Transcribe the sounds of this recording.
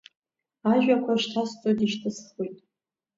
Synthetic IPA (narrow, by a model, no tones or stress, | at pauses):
aʒᶣakʷʰaʃtʰast͡sʼodiʃtʰɨsχujtʼ